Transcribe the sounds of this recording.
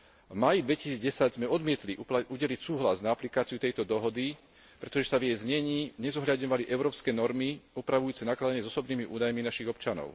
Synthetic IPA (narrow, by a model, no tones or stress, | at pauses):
vmaːjid̪ʋɛci̥siːd͡zɟɛsaɟzmɛɔd̪mɪɛt̪liuɟɛlicsuːɦlaznaaplikaːt͡siut̪ɛjt̪ɔd̪ɔɦɔd̪i | pɾɛt̪ɔʒɛsavjɛjzɲɛɲiːɲɛzɔɦʎad̪ɲɔʋaliʔɛʊɾɔːpskɛːnɔɾmiupɾaʋujuːt͡sɛnaklad̪aɲɪɛzɔsɔbniːmiʔṵːd̪ajminaʃiɣɔpt͡ʃanɔ̰ʊ